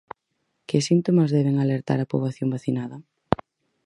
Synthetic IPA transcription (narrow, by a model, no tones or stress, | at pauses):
kɪsint̪omazðɛβɪŋaleɾt̪a̰ɾapoβaθjombaθinaðɐ